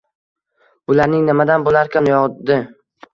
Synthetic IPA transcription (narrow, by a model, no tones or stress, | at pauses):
b̥ʊlaɾnɪŋnɪmad̪anbolaɾkʲʰanjɒʁd̪ɪ